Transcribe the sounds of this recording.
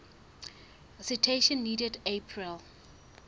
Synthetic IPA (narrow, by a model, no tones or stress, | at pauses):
əsitʰeʃɔ̃nːiːdɛdepʰɹil